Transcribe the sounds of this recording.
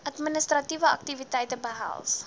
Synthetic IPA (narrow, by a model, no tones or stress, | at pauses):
ʔɐtministrɐtivəɐ̰k̚tivitɛjtəbəɦa̰lˠs